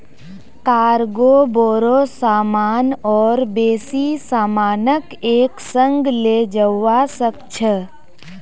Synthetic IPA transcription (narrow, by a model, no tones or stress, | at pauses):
kaːɾɡoboːɾosaːmaːnɔːɾbeːsisaːmaːnəkeːksə̃ŋɡleːd͡ʒəasəkt͡ʃʰə